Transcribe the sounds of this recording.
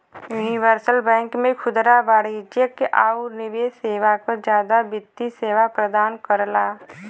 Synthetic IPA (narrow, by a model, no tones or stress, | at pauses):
juːniʋəɾsəlbɛ̃ːŋkmẽkʰʊd̪ɾabaːɽid͡ʒjəkːeʔaːuɾnɪʋeːseːʋakod͡ʒjaːd̪abɪt̪ːiseːʋapɾəd̪aːnkəɾlaː